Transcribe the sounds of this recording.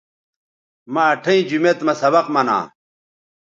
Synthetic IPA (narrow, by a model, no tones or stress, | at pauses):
maɐʈʰɐĩd͡ʑumet̪mɐsɐbɐqmɐnã̰ː